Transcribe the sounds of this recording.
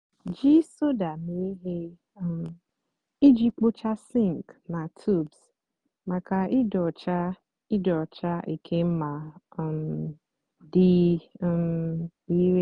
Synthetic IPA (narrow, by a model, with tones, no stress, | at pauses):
d͡ʒi˦so˦da˨me˨e˦ɦe˦ | m˨ | i˦d͡ʒi˦k͡po˦t͡ʃa˦sĩ˦ŋ˨kna˨tʰu˦˨bs | ma˨ka˨ɪ˦dɔ˨t͡ʃa˦ | i˦dɔ˨t͡ʃa˦i˨kʰe˦m̩˦ma˨m | dɪ˦m | i˦ɾe˦